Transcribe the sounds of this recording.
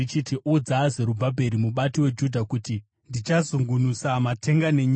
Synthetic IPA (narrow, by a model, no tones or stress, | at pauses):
it͡ʃitiʔud͡zaze̞ɾubʱabʱe̞ɾimuɓatiwe̞d͡ʒudʱakuti | ndit͡ʃazuŋɡunusamate̞ŋɡaneɲ